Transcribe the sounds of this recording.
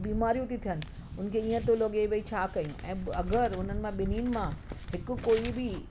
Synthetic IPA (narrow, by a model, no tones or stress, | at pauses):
biːmaːɾijũt̪ʰit̪ʰijənɪ̆ | ʊnəkʰeĩːə̃t̪oloːɡeiʋeit͡ɕʰaːkɐjũɛ̰̃ːɐɡəɾʊn̤ənɪ̆mãɓɪniːnɪ̆mãɦɪkʊkoːibɪ